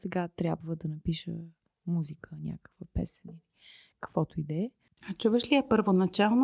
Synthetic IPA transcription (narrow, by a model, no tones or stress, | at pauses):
sɛɡat̪ɾʲabvəd̪ɐnɐpiʃə̰ | muzikʰənʲa̰kə̥kvəpɛ̰sə̥nili | kɐ̥kvɔt̪oid̪ɛ | at͡ʃuvəʃliəpəɾvonɐt͡ʃalˠn